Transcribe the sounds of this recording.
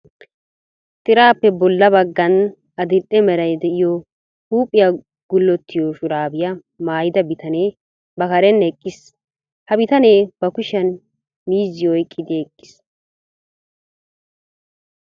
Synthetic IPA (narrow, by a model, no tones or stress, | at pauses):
t̪ʼɪɾaːpːɛbɔlːɐbɐɡːɐn | ɐd̪ɪʔɛmɛɾɐjd̪ɛʔɪjɔ | huːpʼːɪjɐ | ɡ̥ʊlːɔt̪ʰːɪjoʃʊɾaːbɪjɐ | maːjɪd̪ɐbɪt̪ɐneː | bɐkɐɾɛnɛkʼːɪs | hɐbɪt̪ɐneːb̥ɐkʊʃɐn | miːzːɪjɔjkʼːɪd̪ɪɛkʼːɪ̥s